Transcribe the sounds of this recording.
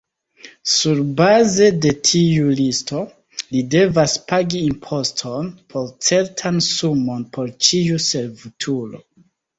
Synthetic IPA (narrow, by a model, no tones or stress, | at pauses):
suɾbaze̞de̞tʰiulistʰo̞ | lide̞vaspaɡiimpʰo̞stʰonpʰo̞ɾt͡se̞ɾtʰansumo̞npʰo̞ɾt͡ʃiuse̞ɾvitʰulo̞̰